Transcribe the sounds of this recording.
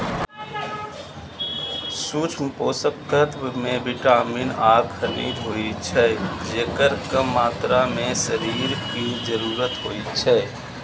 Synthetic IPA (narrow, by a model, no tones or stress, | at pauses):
suːt͡ʃʰpoːsəkʰːət̪mẽbɪʈaːmiːnaːɡxʰəɾḭːd̪ɦoːit͡ʃʰɛːd͡ʒeːkəɾkəːaːt̪ɾamẽsəɾiːɾkid͡ʒəɾuːɾət̪ɦoːit͡ʃʰɛː